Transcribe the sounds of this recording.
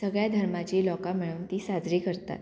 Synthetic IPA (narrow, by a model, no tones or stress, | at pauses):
səɡɭjad̪ʱəɾmat͡ɕiːlɔkamiɭuːnt̪iːsad͡zɾiːkəɾt̪a̰t̪